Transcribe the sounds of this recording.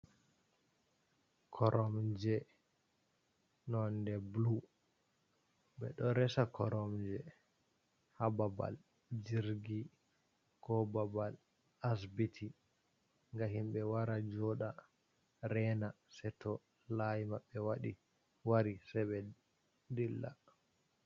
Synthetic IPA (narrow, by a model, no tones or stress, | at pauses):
kʰɔɾʔɔmd͡ʒɛ | nɔndɛblu | ɓɛ̰ɗɔɾɛsakʰɔɾɔmd͡ʒɛ | hababa̰l | d͡ʒiɾɡi | kʰɔbabal | as̬bitʰi | ŋɡaɦimɓɛwaɾad͡ʒɔɗa | ɾɛna | sɛtɔ | lajimaɓːɛwaɗi | waɾisɛɓɛ | dilːa̰